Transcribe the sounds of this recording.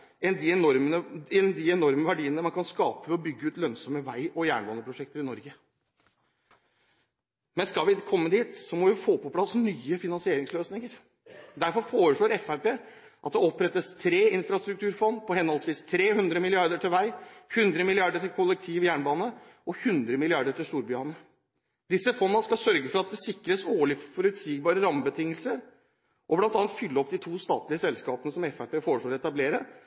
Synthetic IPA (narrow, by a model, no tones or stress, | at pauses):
ɛnd̪ɪɛɔɾəəɛnd̪ɪɛnɔɾməʋæɖiːənəmɑnkʰɑnskɑːpəɔbʏɡːəʉːt̪lœnsɔməʋæɪʔɔjæːɳbɑːnəpʰɾʊʂɛk̚t̪əɾɪnɔɾɡə | mɛnskɑʋɪkʰɔmːəd̪iːt̪sɔmɔʋɪfoːpɔpʰlɑsnyːəfɪnɑnsɪeːɾɪŋsløːsnɪŋəɾ | d̪æɾfɔɾfoːɾəʂɭoːɾɛfæɾpeː | ʔɑt̪̚d̪ɛɔpɾɛt̪ːəst̪ʰɾeːɪnfɾɑst̪ɾʉkt̪ʰʉːɾfɔnːpʰɔhɛnhɔlsʋiːst̪ʰɾeːhʉnd̪ɾəmɪlɪɑɾd̪əʈɪlʋæɪhʉnd̪ɾəmɪlɪɑɖəʈɪlkʰɔlːɛk̚t̪ʰiːʋjæːɳbɑːnə | ɔhʉnd̪ɾəmɪlɪɑɾɖ̪əʈɪlst̪uːɾbʏɑnə | d̪ɪsːəfɔnːəskɑsœɾɡəfɔɾɑt̪̚d̪ɛsɪkːɾəsoːɭɪfɔɾʉt̪siːɡbɑːɾəɾɑmːəbət̪ʰɪŋːəlsəɾ | ʔɔblɑnt̪ɑːnt̪fʏlːəɔpd̪ɪt̪ʰuːst̪ɑ̰ːt̪lɪəsɛlskɑːpənəsɔmɛfæɪpeːfoːɾəʂɭloːɾɛt̪ɑbleːɾə